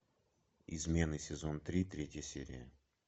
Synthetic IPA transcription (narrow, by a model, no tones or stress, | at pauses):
ɪzmʲe̞nɨjsʲɪzont̪ɾʲit̪ɾʲetʲjəsʲeɾʲɪ̰jə